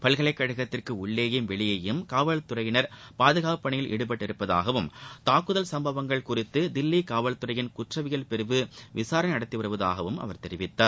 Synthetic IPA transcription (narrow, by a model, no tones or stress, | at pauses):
pɐlɣɐɭɐɪkːɐɻɐɣɐt̪ːɪrkɯʊɭːeːjɯmʋɛɭɪjɐjɯmkaːʋɐɭt̪ːɯɾɐjɪnɐɾpaːðɯɣaːɯpːɐɳɪjɪlʔɪ̰ɽɯp̬ɐʈːɪɾɯpːɐða̰ːɣɐʋɯmt̪aːkːɯðɐlsɐmbɐʋɐŋɡɐɭkʊrɪt̪ːɯd̪ɪlːikaːʋɐɭt̪ːɯɾɐjɪnkʊʈrɐʋɪjɐlpɛɾɯʋɯʋɪsaːɾɐnnɐɽɐt̪ːiʋɐɾɯʋɐða̰ːɣɐʋɯmɐ̰ʋɐɾt̪ɛɾɪʋɪt̪ːaːɾ